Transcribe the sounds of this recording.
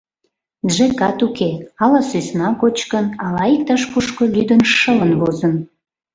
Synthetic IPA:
ʒekɑt̪ukeɑlɑsusnɑkot͡ɕkənɑlɑik̚t̪ɑʃkuʃkolyd̪ənʃələnβozən

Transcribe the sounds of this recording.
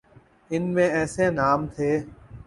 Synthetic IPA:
ɪnmẽːɛːsẽːnaːmt̪ʰeː

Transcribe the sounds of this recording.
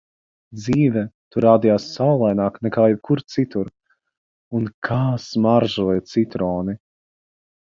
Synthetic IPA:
d̪ziːvɛt̪uɾaːd̪ijaːsːawlˠajnaːknɛkaːjɛb̚kuɾt̪sit̪uɾ | unkʰaːsmaɾʒuijt̪sit̪ɾɔːni

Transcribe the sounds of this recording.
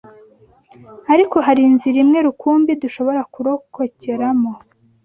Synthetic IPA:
aɾiko̞ɦaɾinziɾimŋe̞ɾukuːmbiduʃo̞βo̞ɾakuɾo̞ko̞ceɾamo̞

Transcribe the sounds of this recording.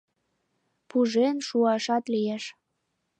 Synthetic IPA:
puʒenʃuɑʃɑt̪lijeʃ

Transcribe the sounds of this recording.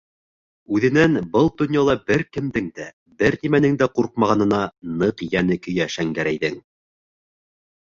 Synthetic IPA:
ʉðɘ̆nænbɤlˠd̪ɵ̆njɑlˠɑbɘɾkɘ̆md̪ɘŋd̪æ | bɘɾnimænɘŋd̪æquɾq̚mɑʁɑnɤ̆nɑnɤqjænɘkɵ̆jæʃæŋɡæɾæjðɘŋ

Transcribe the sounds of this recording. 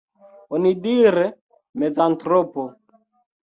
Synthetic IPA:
onidiɾe | mezantɾopo

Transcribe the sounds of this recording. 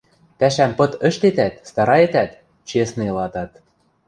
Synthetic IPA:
p̪æʃæmpɤ̆t̪ə̆ʃt̪et̪æt̪st̪ɑɾɑet̪æt̪ | t͡ɕesnelɑt̪ɑt̪

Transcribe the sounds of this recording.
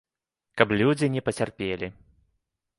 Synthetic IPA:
kɐplʲud͡zʲinʲɛpɐt͡sʲarpʲelʲi

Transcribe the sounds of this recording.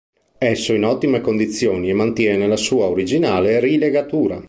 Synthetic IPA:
ɛsːoinɔt̪ːimekond̪it̪sːjoːniemːant̪jɛːnelasuːaoɾid͡ʒinaːlerileɡat̪uːɾa̰

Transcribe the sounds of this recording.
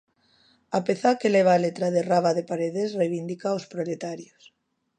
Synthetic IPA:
apeθaɾkeleβ̞alet̪ɾaðeraβaðepaɾeðesrejβind̪ikaospɾolet̪aɾjos

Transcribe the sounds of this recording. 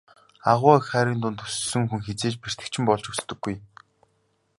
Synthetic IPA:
aʁʊːxχæːɾiːnt̪ʊnt̪ɵ̥ssɘ̆ŋxuŋxet͡seːt͡ɕper̥t̪ɘ̆k̚t͡ɕʰɪ̆mpɔɮt͡ɕɵst̪ɵ̆ɡːuj

